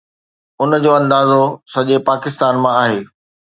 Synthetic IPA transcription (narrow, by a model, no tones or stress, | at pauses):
ʊnəd͡ʑoːɐ̃nd̪aːzosɐʄepaːkɪst̪aːnmãaːɦeː